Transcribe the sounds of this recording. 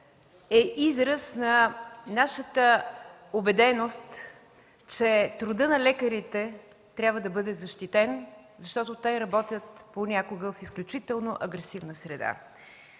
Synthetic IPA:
ɛʔizɾəsnɐnaʃət̪əobɛd̪ɛnost̪ | t͡ʃɛt̪ɾʊd̪ɤnɐlɛkəɾit̪ɛ | t̪ɾʲjabvəd̪ɐbɤd̪ɛzɐʃt̪it̪ɛnzɐʃt̪ɔt̪ʊt̪ɔjɾɐbɔt̪ʲjət̪ponʲakʊɡəfisklʲut͡ʃit̪ɛlˠnoʔɐɡɾɛsivnəsɾɛd̪a̰

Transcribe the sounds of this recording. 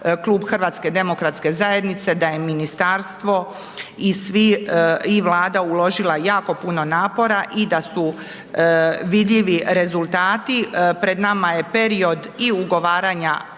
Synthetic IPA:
klˠuːbxr̩ʋaːt̪ske̞d̪e̞mo̞kɾat̪ske̞zaje̞d̪nit̪se̞d̪aje̞minist̪aɾst̪ʋo̞ | isʋiiʋlˠaːd̪aulˠo̞ʒilˠajaːko̞puno̞naːpo̞ɾaʔid̪asu | ʋid̪ʎiʋiɾe̞zulˠt̪aːt̪ipɾe̞d̪namaje̞pe̞ɾio̞d̪iuɡo̞ʋaːɾaɲa

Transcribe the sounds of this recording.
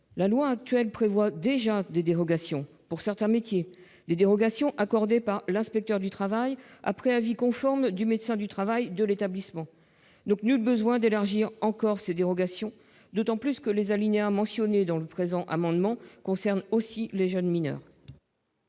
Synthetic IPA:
lalwaːk̚t̪ɥɛlpχevwad̪eʒad̪ed̪eʁɔɡasjɔ̃ | puʁsɛʁt̪ɛ̃met̪je | d̪ed̪eʁɔɡasjɔ̃ʔakɔʁd̪epaʁlɛ̃spɛk̚t̪œʁd̪yt̪χavaja̰pχɛavikɔ̃fɔʁmd̪ymed̪sɛ̃d̪yt̪χavajd̪əlet̪ablismɑ̃ | d̪ɔ̃knylbəzwɛ̃d̪elaʁʒiʁɑ̃kɔʁsed̪eʁɔɡasjɔ̃ | d̪ot̪ɑ̃plyskəlezalineamɑ̃sjɔned̪ɑ̃ləpχezɑ̃ʔa̰mɑ̃d̪mɑ̃kɔ̃sɛʁnosileʒənminœ̰ːʁ

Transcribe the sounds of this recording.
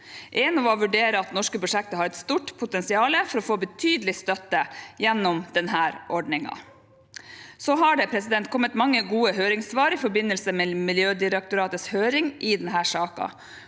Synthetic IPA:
ʔɛːnɑʋɔʋʉɖeːɾəɑt̪nɔʂkəpɾʊʂɛk̚t̪əɦɑɾɛt̪st̪uːʈpʰʊt̪ɛnsɪɑːləfɔɾɔfoːbət̪ʰyːd̪əlɪst̪œt̪ːəjɛnːɔmd̪̥ɛnɦæːɾʔɔɖɳɪŋɑ̰ | sɔɦɑɖɛpʰɾɛsɪd̪ɛnt̪̚kʰɔmːət̪mɑŋːəɡuːəɦøːɾɪŋsʋɑːɾɪfɔɾbɪnːəlsəmɛmɪljøːd̪ɪɾɛk̚t̪ʊɾɑːt̪əshøːɾɪŋʔɪd̪ɛnɦæːʂɑːkɑ̰

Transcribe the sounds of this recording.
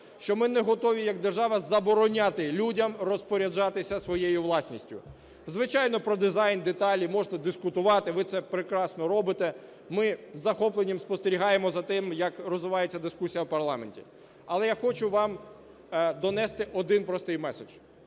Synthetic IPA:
ʃt͡ʃɔmɪnɛɦɔt̪ɔʋʲijɐɡ̚d̪erʒɑʋɐzɐbɔɾɔnʲat̪ɪlʲudʲɐmrɔspɔɾʲɐd͡ʒɑt̪ɪsʲɐsʋɔjejʊʋlˠɑsʲnʲisʲtʲʊ̰ | zʋɪt͡ʃɑjnɔpɾɔd̪ɪzɑjnd̪et̪ɑlʲimɔʐnɐd̪ɪskʊt̪ʊʋɑt̪ɪʋɪt̪sɛpɾɪkɾɑsnɔɾɔbɪt̪ɛ | mɪzːɐxɔplˠenʲːɐmspɔst̪eɾʲiɦɑjemɔzɐt̪ɪmjɐkrɔzʋɪʋɑjet͡sʲːɐd̪ɪskusʲijɐwpɐrlˠɑmḛnʲtʲḭ | ɐlˠɛjaxɔt͡ʃʊʋɑm | d̪ɔnɛst̪ɪʔɔd̪ɪnpɾɔst̪ɪjmɛsed͡ʒ

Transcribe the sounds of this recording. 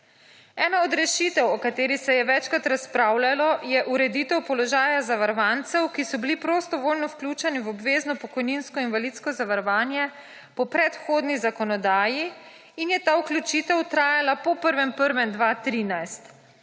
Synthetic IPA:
ɛːnaɔd̪ɾɛʃit̪ɛwɔkat̪eːɾisɛjɛʋɛt͡ʃkat̪ɾaspɾaːwlalɔjɛʔuɾɛd̪iːt̪ɛwpɔlɔʒaːjazaʋaɾɔʋant̪sɛwkisɔbilipɾost̪ɔʋolnɔwklʲuːt͡ʃɛnivɔbʋeːznɔpɔkɔjninskɔinʋalit̪skɔzaʋaɾɔʋaːnjɛ | pɔpɾɛt̪xoːd̪nizakɔnɔd̪aːjiː | njɛt̪auklʲut͡ʃit̪ɛwt̪ɾaːjalapɔpəɾʋɛmpəɾʋɛmd̪ʋat̪ɾiːnajst̪

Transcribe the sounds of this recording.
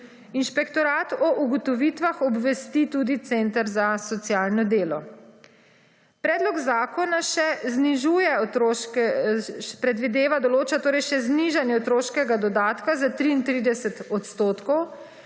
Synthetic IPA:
inʃpɛkt̪ɔɾaːt̪ɔʔuɡɔt̪ɔʋiːt̪ʋaxɔbʋɛst̪it̪uːd̪it̪sent̪əɾzasɔt̪sjaːlnɔd̪eːlɔ | pɾɛːd̪lɔɡzaːkɔnaʃɛzniʒuːjɛ | pɾɛd̪ʋid̪eːʋad̪ɔloːt͡ʃat̪oːɾɛjʃɛzniʒanjɛɔt̪ɾoːʃkɛɡad̪ɔd̪aːt̪kazat̪ɾiːnt̪ɾid̪ɛsɛt̪ɔt̪st̪oːt̪kɔw

